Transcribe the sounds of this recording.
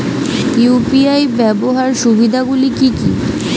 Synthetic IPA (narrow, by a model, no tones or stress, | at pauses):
kuupiajbɛboɦaɾʃubid̪ʱaɡulikikḭ